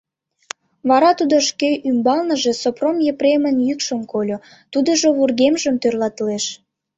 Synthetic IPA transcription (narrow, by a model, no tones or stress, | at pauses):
βɑɾɑt̪ud̪oʃkeʔymbɑlnə̆ʒe̽sopromjepremənjykʃəmkolʲo | t̪ud̪əʒoβurɣemʒəmt̪ørlɑt̪leʃ